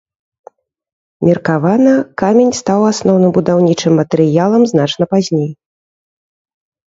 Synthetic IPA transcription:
mʲirkavanɐkamʲenʲst̪awasnɔwnɨmbud̪awnʲit͡ʂɨmːɐt̪ɛɾɨjalˠɐmznat͡ʂn̪ɐpazʲnʲej

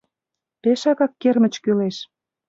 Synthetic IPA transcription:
peʃɑɣɑkːermə̆t͡ɕkyleʃ

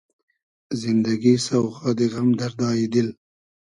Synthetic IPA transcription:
zɪnd̪aɡisawxɑd̪eɣamd̪aɾd̪ɑːjid̪ɪl

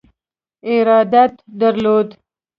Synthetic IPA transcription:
ɪɾɑd̪at̪d̪aɾlod̪

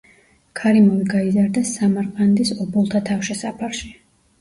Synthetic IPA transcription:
kʰaɾimɔviɡaizaɾd̪asamaɾqʼand̪isɔbulˠt̪ʰat̪ʰafʃɛsapʰaɾʃi

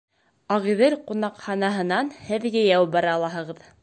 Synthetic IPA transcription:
ɑʁiðɘlqunɑqχɑnɑɦɤ̆nɑnhɘ̆ðɡæjæwbɑɾɑːlˠɑɦɤ̆ʁɤð

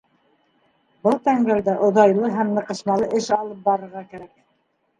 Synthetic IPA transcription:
bɤlˠt̪æŋɡæld̪æʔŏðɑjlˠɤɦæmnɤ̆qɤ̆ʃmɑlˠɤʔɘʃɑlˠɤp̚bɑɾɤ̆ɾʁɑkæɾæk̚

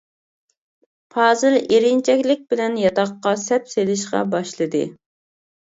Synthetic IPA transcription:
pʰɑːzɨleɾɪnt͡ʃʰɛkʲlɪk̚ʲbɪlɛnjɑt̪ɑqːɑsɛpselɪʃqɑ̰bɑʃlˠɨd̪ɨ̰

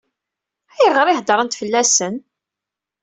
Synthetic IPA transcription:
æjəʁəɾˤihd̪əɾˤənt̪fəlːæsən

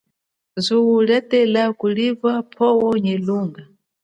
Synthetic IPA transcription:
zʷuwulɛtɛlakulivapʰɔwɔɲɛluːŋɡa

